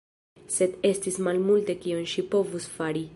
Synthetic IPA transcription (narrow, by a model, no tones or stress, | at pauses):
sed̪est̪ismalmult̪e̞kionʃipo̞vusfaɾi